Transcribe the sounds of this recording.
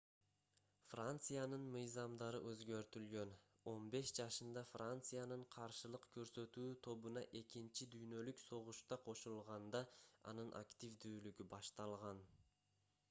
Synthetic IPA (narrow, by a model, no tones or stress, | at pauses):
frant̪sɨjanɯnmɯjzɑmd̪ɑɾɯʔø̞zɡø̞ɾt̪ylɡø̞n | o̞nbe̞ʃd͡ʒɑʃɯnd̪ɑfrant̪sɨjanɯɴqʰɑɾʃɯlˠɯqkʰø̞ɾsø̞t̪yːt̪ʰo̞βunɑʔe̞kint͡ʃid̪yjnø̞lykso̞ʁuʃt̪ɑqʰo̞ʃulˠʁɑnd̪ɑɑ̰nɯnʔa̰kt̪ʲivd̪yːlyɡybɑʃt̪ɑlˠʁɑn